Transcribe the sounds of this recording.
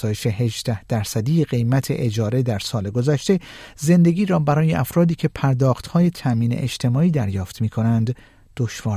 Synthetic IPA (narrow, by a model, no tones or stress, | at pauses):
ɒːjeʃe̞ɦe̞ʒd̪æhd̪̥æɾsæd̪iːjeɣe̞jmæt̪ʰe̞̰ʔed͡ʒɒːɾe̞d̪æɾsɒːle̞ɡo̞zæʃt̪e̞ze̞nd̪e̞ɡʲiːɾɒːbæɾɒːje̞ʔæfɾɒːd̪iːcʰe̞pʰæɾd̪ɒːxt̪hɒːje̞t̪ʰæʔmiːnḛʔed͡ʒt̪ʰe̞mɒːiːd̪æɾjɒːft̪miːkʰo̞nænd̪ː | o̞ʃvɒːɾ